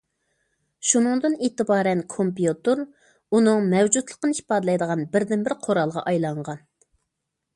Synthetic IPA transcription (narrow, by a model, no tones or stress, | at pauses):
ʃunɨŋd̪ɨnet̪ɨbɑːɾɛnkʰompjut̪ɨɾ | unɨŋmɛwd͡ʒut̪lˠə̥qːəni̥pɑd̪lˠɑjd̪əʁɑnbɪɾd̪ɪnbɪɾqʰoɾɑlˠʁɑ̰ʔɑjlˠɑɴʁɑn